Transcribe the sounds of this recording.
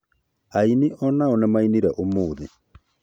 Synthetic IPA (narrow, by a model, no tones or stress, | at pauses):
ainiʔɔnaɔnɛmainiɾɛʔomoːðḛ